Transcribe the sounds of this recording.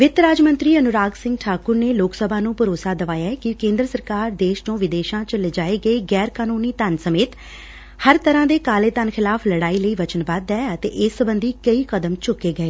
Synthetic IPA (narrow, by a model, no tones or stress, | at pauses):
ʋɪt̪ɾaːd͡ʒmə̃nt̪ɾiːənʊɾaːɡsɪ̃ŋɡʈʰaːkʊɾneːloːksəbʱãːnũːpʊɾoːsaːd̪əʋaːjaːkɪkẽːnd̪ɾəsəɾkaːɾd̪eːʃt͡ʃõːʋɪd̪eːʃãːt͡ʃəled͡ʒaːeːɡəeːɡɛːɾkaːnuːniːt̪ənsəmeːt̪ | həɾt̪əɾãːd̪eːkaːleːt̪ənkʰɪlaːpʰləɽaːiːləiːʋət͡ʃənbaːd̪ɛːət̪ḛːʔɪsːəbənd̪iːkəiːkəd̪əmt͡ʃʊkːeːɡəeː